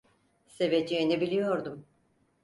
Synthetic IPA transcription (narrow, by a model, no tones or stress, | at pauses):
se̞ved͡ʒiːnibilʲijo̞ɾd̪um